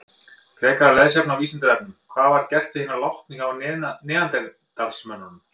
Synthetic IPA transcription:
kʰɾɛːkaalɛðsjɛpnaviːsɪnt̪ɪɾɛp̚nɪmkʰvaːðvaɾcɛr̥t̪ʏhiːnalawht̪niŋkawnɛːðant̪ɛ | t̪alsmœnːʏnʏm

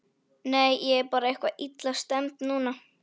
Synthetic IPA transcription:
nejɛɛpɑːɾaɛhkvaʔit̪last̪ɛmt̪nuːna

